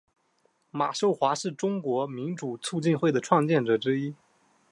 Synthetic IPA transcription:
ma˨˩ʂo˥˩ʊxwa˧˥ʂɻ̩˥˩ʈ͡ʂʊ˥ŋkwɔ˧˥mi˧˥nʈ͡ʂu˨˩t͡sʰu˥˧t͡ɕi˥˧nxwe˥˩ɪd̪ə˩ʈ͡ʂʰwɑ˥˧ŋt͡ɕjɛ˥˩nʈ͡ʂɤ˨˩ʈ͡ʂɻ̩˥i˥

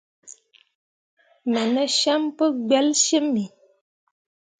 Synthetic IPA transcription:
mə˨nə˦ʃa˦mpə˦ɡ͡bɛ˦lʃə˦mːi˨

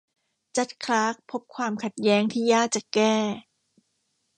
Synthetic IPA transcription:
t͡ɕa˦˥t̪̚kʰɾaː˦˥k̚pʰo˦˥p̚kʰwaː˧mkʰa˨˩t̪̚jɛː˦˥ŋt̪ʰiː˥˩jaː˥˩k̚t͡ɕa˨˩kɛː˥˩

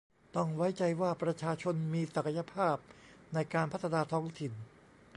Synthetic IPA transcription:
t̪ɔ˥˩ŋwa˦˥jt͡ɕa˧jwaː˥˩pɾa˧t͡ɕʰaː˧t͡ɕʰo˧nmiː˧sa˨˩kʰa˧ja˧pʰaː˥˩p̚na˧jkaː˧npʰa˥t̪ʰːa˧naː˧t̪ʰɔː˦˥ŋt̪ʰi˨˩n

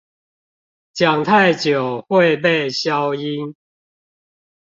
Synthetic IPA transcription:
t͡ɕja˨˩ŋt̪ʰa˥˨ɪt͡ɕjo˨˩hwe˥˨ɪp̬e˥˨ɪɕja˦ʊi˦n

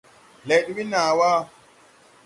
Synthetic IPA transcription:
le˨jɗu˦wi˦na˨wa˦

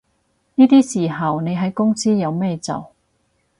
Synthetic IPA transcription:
niː˥t̪iː˥siː˨˩ɦɐ˨˩wne˨˧jɦɐ˨˥jkʊ˥ŋsiː˥jɐ˨˧wmɛː˥t͡sɐ̰˨˩w

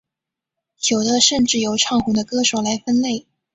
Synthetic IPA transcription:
t͡ɕʰjo˨˩ʊd̪ə˧˦ʂə˥˧nʈ͡ʂɻ̩˥˩jo˨˩ʊʈ͡ʂʰɑ˥˩ŋxu˨˥˩d̪ə˧kɤ˥ʂo˨˩ʊla˧˥ɪfə˥nle˥˩ɪ

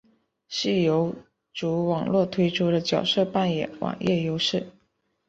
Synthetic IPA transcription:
ʂɻ̩˥˩jo˧˥ʊ | ʈ͡ʂu˧˥wɑ˨˩ŋlwɔ˥˩t̪ʰwe˥ɪʈ͡ʂʰu˥ɾə˨t͡ɕjɑ˨˩ʊʂɤ˥˧pa˥˩njɛ˨˩˦nwɑ̰˨˩ŋjʔɛ˥˩jo˧˥ʊʂɻ̩˥˩

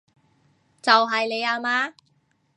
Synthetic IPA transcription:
t͡sɐ˨wɦɐ˨jle˨˧jaː˧maː˧˥

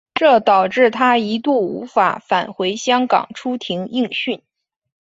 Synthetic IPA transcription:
ʈ͡ʂɤ˥˩t̪ɑ˨˩ʊʈ͡ʂɻ̩˥˩t̪ʰa˥i˧˥t̪u˥˩ṵ˧˥fa̰˨˩fa˨˩nxwe˧˥ɪɕjɑ˥ŋkɑ̰˨˩ŋʈ͡ʂʰu˥t̪ʰi˧˥ŋi˥˧ŋɕy˥˩n

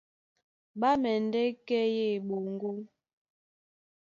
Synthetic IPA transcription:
ɓa˦mɛ˨n˨dɛ˦kɛ˦je˦˨ɓo˨ŋ˦ɡo˦ŋ

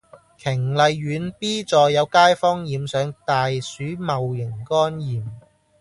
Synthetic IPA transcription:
kʰɪ˨˩ŋlɐ˨˧jːyː˨˧˥npiː˥t͡sɔː˨jːɐ˨˧wkaː˥jfɔː˥ŋjiː˨msœː˨˧ŋt̪aː˨jsyː˨˥mɐ˨wjɪ˨˩ŋkɔː˥njiː˨m

